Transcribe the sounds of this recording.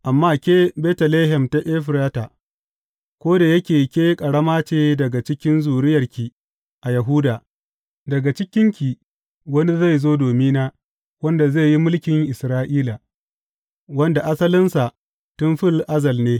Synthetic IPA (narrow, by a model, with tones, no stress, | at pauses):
ʔa˨mːaː˦kʲeː˦bɛː˦tɐ˨leː˦ɦɛ˨mta˦ʔeː˦ɸɪ˨ɾaː˦taː˨ | kʷoː˦da˨jɐ˦kʲeː˨kʲeː˦kʼɐ˨ɽɐ˦maː˦t͡ʃeː˦dɐ˨ɡa˨t͡ʃɪ˦kʲɪ˦nzuː˨ɾɪ˦jɐ˨rkʲi˨ | ʔa˨jɐ˨ɦʊː˦daː˨ | dɐ˨ɡa˨t͡ʃɪ˦kʲɪ˦ŋkʲi˨ | wɐ˦ni˦za˦˨jzoː˦doː˨miː˦naː˦ | wɐ˦nda˨zeː˦˨ji˦mʊ˦lkʲɪ˨ŋʔɪ˨sɾaː˦ʔiː˦la˨ | wɐ˦nda˨ʔa˦sɐ˦lɪ˦nsa˨ | tʊ˦nɸɪ˦lʔa˦zɐ˨lneː˦